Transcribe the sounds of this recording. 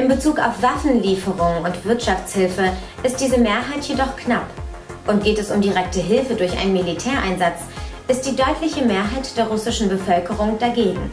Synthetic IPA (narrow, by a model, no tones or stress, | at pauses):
ʔɪmbət͡suːkaʊfv̥afn̩liːfəʁʊŋʊntv̥ɪɐtʃaft͡shɪlfə | ʔɪst̚d̥iːzəmeːɐɦaɪtjedɔχknap | ʔʊntɡ̥eːtɛsʊmdiʁɛk̚təɦɪlfədʊɐçʔaɪnənmilitʰɛːɐʔaɪnzat͡s | ʔɪst̚d̥iːdɔʏtʰlɪçəmeːɐɦaɪtd̥eːɐʁʊsɪʃn̩bəfœlkəʁ̞ʊŋd̥aɡeːɡŋ̩